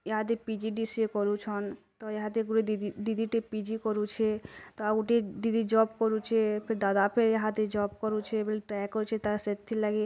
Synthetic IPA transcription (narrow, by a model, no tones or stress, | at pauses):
jəɦãd̪̬epid͡ʒiɖisekɔɾut͡ʃʰɔnt̪ɔjəɦãt̪eɡuɾed̪id̪ʱiʈepid͡ʒikɔɾut͡ʃʰɛt̪ɔauʈed̪id̪id͡ʒɔbkɔɾut͡ʃʰɛpʰeɾd̪ad̪apʰeɾjəɦãd̪ed͡ʒɔbkɔɾut͡ʃʰɛbelʈɾajkɔɾut͡ʃʰet̪aset̪ʰːilaɡe